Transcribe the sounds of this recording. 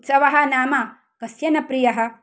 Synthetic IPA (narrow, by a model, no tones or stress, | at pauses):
t̪sɐʋɐɦɐnaːmɐ | kɐsjɐnɐpɾijɐɦɐ̆